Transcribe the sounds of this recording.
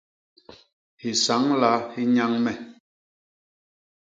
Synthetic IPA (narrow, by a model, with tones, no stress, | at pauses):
hi˨sa˨˦ŋla˦hi˦ɲa˦ŋmɛ˨